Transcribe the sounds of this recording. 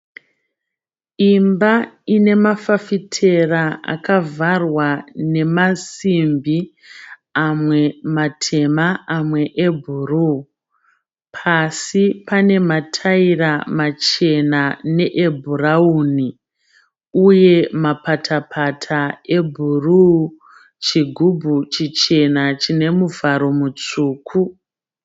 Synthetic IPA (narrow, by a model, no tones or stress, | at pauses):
imbaine̞mafafitʰe̞raa̰kavarwane̞masimbi | amwe̞matʰe̞maːmwe̞ʔebʱuru | pʰasipane̞matʰairamat͡ʃe̞nane̞ʔebʱurauːni | uje̞mapatʰapʰatʰae̞bʱuru | t͡ʃiɡʱubʱut͡ʃit͡ʃe̞nat͡ʃine̞muvaɾo̞mut͡suːkʰu